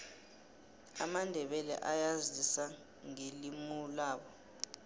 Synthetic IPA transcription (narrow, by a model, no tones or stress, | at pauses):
a̰mandʱɛɓɛlɛ̰ʔajazisa | ŋelimulaːɓɔ